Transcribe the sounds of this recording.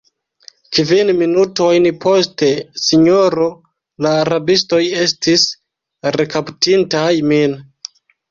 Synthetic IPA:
kvinminuto̞jnpʰo̞ste̞siɲo̞ɾo̞ | laːɾabisto̞je̞stis | ɾe̞kaptintajmin

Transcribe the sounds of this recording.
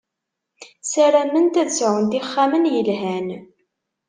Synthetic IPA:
sæɾæmənt̪æt͡sːʕənd̪iχːamənjəlɦæn

